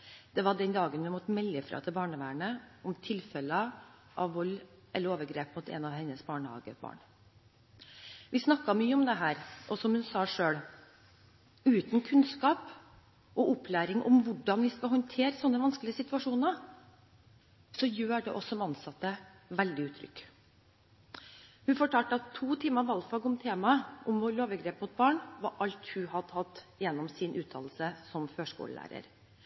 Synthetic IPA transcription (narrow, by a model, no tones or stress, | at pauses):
d̪̥ɛʋɑɖɛnd̪ɑːɡənʋɪmɔt̪ːəmɛlːəfɾɑ̰ːt̪ʰɪlbɑːɳəʋæːɳəɔmt̪ʰɪlfɛlə | ʔɑʋʋɔlː | ʔɛlːəɾoːʋəɾɡɾeːpmuːt̪ɛ̰ːnɑʋhɛnːəsbɑːɳəhɑ̰ːɡə̰bɑ̰ːɳ | ʋɪsnɑkːɑmyːəɔmd̪ɛɦæːɾʔɔsɔmhʉnsɑːʂøːɽ | ʉːt̪n̩kʰʉnskɑːp | ʔɔʔɔpʰlæːɾɪŋʔɔ̰mʋʊɖɑnʋɪskɑɦɔnt̪ʰeːɾəsɔnːəʋɑnsklɪəsɪt̪ʉɑʂuːnəɾ | sɔjøːɖɛʔɔsɔmɑnsɑt̪ːə | ʋɛld̪ɪʉːt̪ʰɾʏ̰kː | hʉnfɔʈʰɑːlʈ̪ɑt̪ʰːuːt̪ʰiːmɑʋɑlfɑɡɔmt̪ʰeːmɑəʔɔmʋoɾɭoːʋəɡɾeːpmʊt̪̚bɑːɳʋɑʔɑlt̪hʉhɑd̪ʰɑt̪ːjɛnːɔmsɪnʔʉːt̪ʰɑ̰ːll̩səsɔmføːʂkṵːlə̰læ̰ːɾə̰ɾ